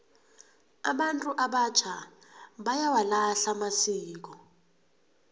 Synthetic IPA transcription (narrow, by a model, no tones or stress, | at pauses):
aɓantʼuʔaɓat͡ʃʰaɓajawalaɬamasiːk̬ɔ